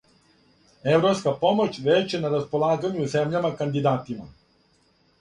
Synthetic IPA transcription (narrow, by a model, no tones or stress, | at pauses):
e̞ʋɾo̞pskapo̞mo̞t͡ɕʋet͡ɕenaɾaspo̞lˠaːɡaɲuze̞mʎamakand̪id̪aːt̪ima̰